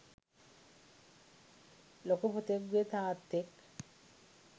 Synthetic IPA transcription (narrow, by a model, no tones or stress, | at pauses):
lokopot̪eɡuet̪aːt̪ːek